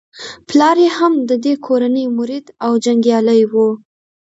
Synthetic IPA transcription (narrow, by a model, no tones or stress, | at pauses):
plɑɾehamd̪əd̪ekʰoɾanəjmʊɾid̪awd͡ʒaŋɡjɑləjwu